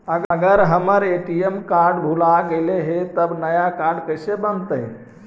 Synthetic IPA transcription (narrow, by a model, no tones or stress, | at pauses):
əɡəɡəɾɦəməɾeʈiemkaɾɖbʱulaɡeleɦet̪əbnəjakaɾɖkəɪsebənt̪əɦn